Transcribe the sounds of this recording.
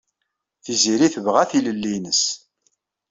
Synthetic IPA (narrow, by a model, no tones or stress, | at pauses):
θiziɾiθəvʁæθiləlːinəs